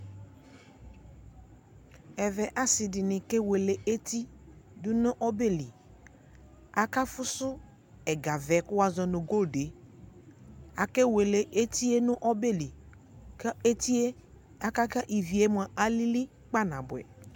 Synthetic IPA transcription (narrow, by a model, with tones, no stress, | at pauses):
ɛ˨vɛ˨ʔa˦sɪ˨dɪ˨nɪ̃˨kɛ˦we˨le˨e˦ti˦ | dʊ˦nʊ̃˦ʔɔ˦be˦˨li˨ | a˨ka˦fʊ˦sʊ˦ | ɛ˨ɡa˨vɛ˨kʊ˦wa˦zɔ˨nʊ˨ɡo˦˨de˨˦ | a˨kɛ˦we˨le˨ʔe˦t̪i˦e˦nʊ̃˦ʔɔ˦be˦li˨ | ka˦e˦t̪i˦e˦ | a˦ka˦ka˦ʔi˨vi˨e˦m˦˨a˨ʔa˨li˦li˦ | k͡pa˦nã˨bʊ˨ɛ̰˨